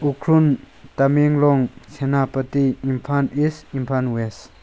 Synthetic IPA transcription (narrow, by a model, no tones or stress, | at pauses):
ukʰɾun | t̪ameŋlɔŋsʰenapɐt̪iimpʰanisimpʰanwes